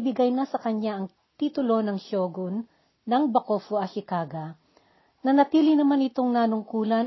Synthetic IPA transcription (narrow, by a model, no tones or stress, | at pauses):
bɪɡajnɐsɐkɐɲaʔɐŋ | t̪iːt̪ʊlo̞nɐŋʃoːɡonː | ɐŋbɐkoːfoɐʃɪkaɡɐ | nɐnɐt̪iːlɪnɐmanɪt̪o̞ŋnaːnʊŋkuːlɐn